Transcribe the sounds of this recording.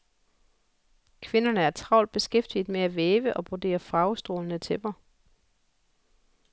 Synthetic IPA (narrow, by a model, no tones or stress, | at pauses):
kʰʋe̝nɐnəæɐt͡sʰʁɑ̈ʊld̥̚b̥e̝sɡ̥efd̥id̥ˠmeæʋeːʋəʔɒ̽b̥od̥e̝̰ːɐfɑ̈ʊsd̥ʁo̝̰ːlənət͡sʰeb̥ɐ